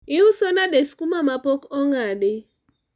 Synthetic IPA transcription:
ɪʊsonadeskumamapɔkɔŋadɪ

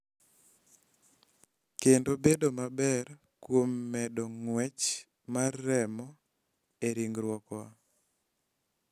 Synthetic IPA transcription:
kendobedomabɛr | kwomːɛdɔŋwɛt͡ʃ | marːɛmɔ | eɾiŋɡɾwɔkɔwa

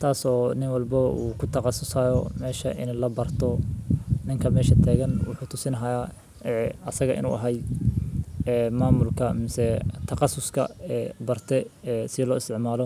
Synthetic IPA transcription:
t̪ʰaːsɔːnɪŋwɑlbɐuːkʰʊt̪ʰɐqɑsʊsajɔ̰mɛːʃɐ̰ʔɪ̰nlɐbɐrt̪ʰɔ | nɪŋkʰɐmɛːʃɐt̪ʰɛːɣɐnwʊħuːt̪ʰʊsɪnɐɦɐjaː | ɛːɐsɐɣɐʔɪ̰nṵːʔɐɦɐjd̪ | ɛmaːmʊlkʰɐmɪsɛt̪ʰɐqɑsʊskʰɐ̰ɛːbɐrt̪ʰɛɛsɪlɔːɪst̪ɪʕmaːlɔ

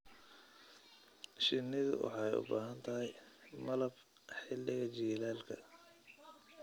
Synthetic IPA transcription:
ʃɪnːɪðʊ̰wɑ̰ħɑjʊ̰baːɦɐnt̪ʰɐɦɛjmɐlɐb | ħɪlːɪɣɐt͡ʃiːlaːlkʰɐ

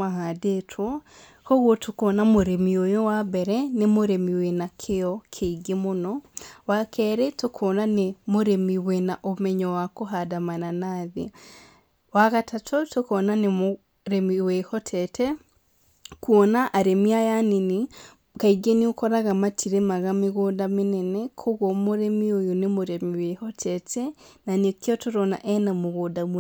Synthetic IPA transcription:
ahadetʰwɔ | kɔɣwɔtokoːnamoɾemiojowabɛɾɛnemoɾemiwenakʰejɔkʰeiɡemonɔwakʰɛɾɛtokʰɔnanemoɾemiwenaʔomɛɲɔwakoɦadamananaːðḛ | waɣatʰatʰotokɔnanemo | ɾemiwehɔtʰɛtʰɛ | kuɔnaʔaɾemiajanini | kaiɡeniokɔɾaɣamatʰiɾemaɣameɣodamenɛnɛkʰoɣwɔmoɾemiojonemoɾemiwehɔtʰɛtʰɛnanekjɔtoɾɔna̰ʔɛnamoɣodam

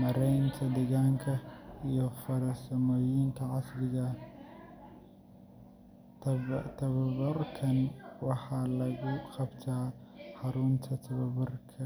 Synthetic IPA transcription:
mɐɾɐjnt̪ʰɐd̪ɐɡaŋkʰɐjofɐɾɐsɐmɐjɪnt̪ʰɐʕasɡɨɡɐ | t̪ʰɐt̪ʰɐβɐbɐɾkʰɐnwaħalɐɡʼikɐbt̪ʰa | ħaɾunt̪ʰɐt̪ʰɐβɐbɐɾkʰɐ

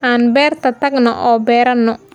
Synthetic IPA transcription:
ʔaːnbɛːrt̪ʰɐt̪ɐɡnɐ̰ʔɔːbɛːɾɐnːɔ

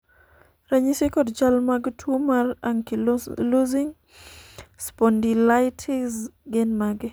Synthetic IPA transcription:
ɾaɲisekɔdd͡ʒalmaɡtʰumaraŋkiluziŋ | spɔndilajtʰɪzɡenmaɡɪ

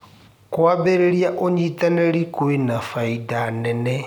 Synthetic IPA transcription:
kwabɛɾeɺijaʔoɲit̪anɛɺikuwenafaidanɛnɛ

